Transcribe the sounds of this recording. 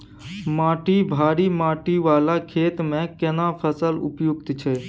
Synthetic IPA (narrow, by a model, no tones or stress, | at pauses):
maːʈibʱaːɾimaːʈiʋaːlakʰeːt̪mẽkenapʰəsəlʊ̰pjuɡt̪t͡ʃʰɛ